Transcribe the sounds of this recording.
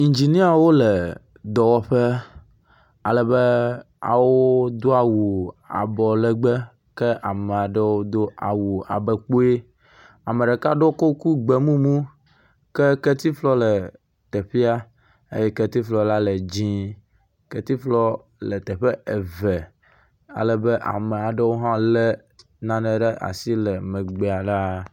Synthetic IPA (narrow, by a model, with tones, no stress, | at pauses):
i˨nd͡ʒi˨nĩ˦a˨wo˦lɛ˨ | d̪ɔ˨wɔ˦ɸɛ˦ | a˨lɛ˨bɛ˦ | a̰˨wo˦d̪o˦a˨wu˨a̰˨bɔ˨lɛ˦ɡ͡bɛ˦ | kɛ˦ʔa˨me˨a˨ɖe˦wo˦d̪o˦a̰˨wu˨a̰˨bɛ˨k͡po˦e˦ | a˨mɛ˨ɖɛ˨ka˦ɖo˦ko˦ku˦ɡ͡bɛ˨mũ˦mũ˦ | kɛ˦kɛ˦t̪i˦flɔ˦lɛ˨ | t̪ɛ˨ɸi˦a˦ | ḛ˦jɛ˦kɛ˦t̪i˦flɔ˦la˦lɛ˨d͡ʑĩ˦ | kɛ˦t̪i˦flɔ˦ | lɛ˨t̪ɛ˨ɸɛ˦ɛ˨vɛ˨ | a̰˨lɛ˨be˦ʔa̰˨mɛ˨a˨ɖɛ˦wo˦ɦã˦lɛ˦ | nã˨nɛ̃˨ɖɛ˦ʔa̰˨si˦lɛ˨mɛ̃˨ɡ͡bɛ˨a˨ɖa˦